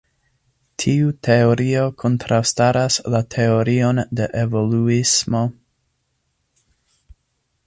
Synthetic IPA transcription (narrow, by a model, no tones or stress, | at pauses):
tʰiutʰe̞o̞ɾio̞kʰo̞ntɾawstaɾaslatʰe̞o̞ɾio̞nde̞ʔevo̞luismo̞